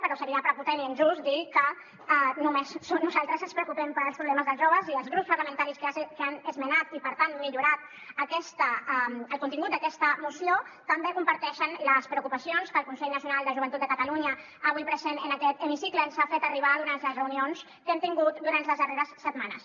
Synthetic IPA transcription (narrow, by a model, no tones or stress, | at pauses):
pəɾɔsəɾiəpɾəput̪ɛniənʒusd̪ilkə | numesːonnːuzalˠt̪ɾəzənspɾəukupɛmpəɾəlˠpɾuβlɛməzðəlˠʒoβəziəlˠzɣɾupspɐɾləmənt̪aɾiskəasekanəzmənat̪ipəɾt̪anmiʎuɾat̪̚ | əkɛst̪əaməlˠkunt̪iŋɡut̪d̪əkɛst̪əmusiot̪əmbekumpəɾt̪ɛʃənləspɾeəukupəsionskəlˠkunsɛʎnəsijunalˠd̪əʒuβ̞ənt̪ut̪d̪əkət̪aluɲə | əβujpɾəzenənəkɛt̪əmisiklənsafet̪əriβ̞aːðuɾant̪ləzrəunions | kɛmt̪iŋɡut̪d̪uɾant̪ləzðəreɾəsːət̪manə̰s